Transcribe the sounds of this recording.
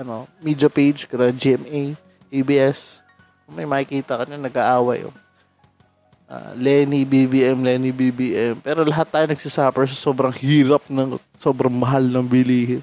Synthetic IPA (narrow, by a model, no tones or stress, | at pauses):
ʔɐno̞miːd͡ʒɐpejd͡ʒkɐt̪ɐd͡ʒiʔɛmʔej | ʔebiːʔɛs | kmɐjmɐkɪkiːt̪ɐkɐɲanɐɡaʔaːwɐjo̰ | ʔa̰ːlɛnibibiːʔɛmlɛːnibibiːʔɛmpɛːɾo̞lɐɦat̪ːaːjonɐɡ̥̚sɪsaːpɛɹs̬ɐso̞ːbɾɐŋhiːɾɐp̚nɐŋ | so̞ːbɾɐŋmɐɦalnɐŋbɪliːɦɪn